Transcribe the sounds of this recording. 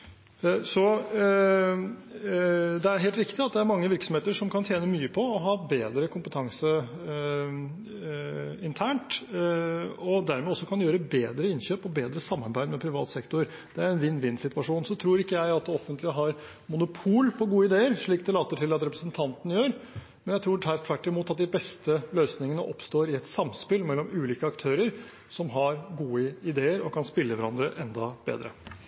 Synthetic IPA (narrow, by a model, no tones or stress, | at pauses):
sɔ | d̪ɛæɾɦeːlt̪ɾɪkt̪ɪɑt̪̚d̪ɛæɾmɑŋːəʋɪɾksɔmheːt̪əʂɔmkʰɑnt̪ʰjeːnəmyːəpʰɔɔɦɑːbeːd̪ɾəkʰʊmpət̪ʰɑŋsə | ɪnt̪ʰæːɳʈ | ɔd̪æɾmɛɔsːɔkʰɑnjøːɾəbeːd̪ɾəɪnɕøːpɔbeːd̪ɾəsɑmːɑɾbæɪd̪mɛpʰɾɪʋɑ̰ːt̪sɛkt̪ʊɾɾ | d̪̥ɛæɾɛnʋɪnːʋɪnːsɪt̪ʋɑʂuːnsɔt̪ʰɾuːɾɪkːəjæɪɑt̪̚d̪ɛɔfənt̪lɪəɦɑɾ | mʊnʊpʰuːlpʰɔɡuːəɪd̪eːəɾʂɭiːkd̪ɛlɑːt̪əʈʰɪlɑt̪ɾɛpɾəsənt̪ʰɑnt̪ənəjøːɾ | mɛnjæɪt̪ʰɾuːʈ̪ʰæʈ̪ʰʋæʈːɪmuːt̪ɑt̪̚d̪ɪbɛst̪əløːsnɪŋənəʔɔpst̪oːɾɪɛt̪sɑmspɪlmɛlːɔmʉːliːkəɑkt̪ʰøːɾəɾ | sɔmɦɑɾɡuːəɪd̪eːəɾɔkʰɑnspɪlːəʋæɾɑnd̪ɾəʔɛnd̪ɑbḛːd̪ɾə̰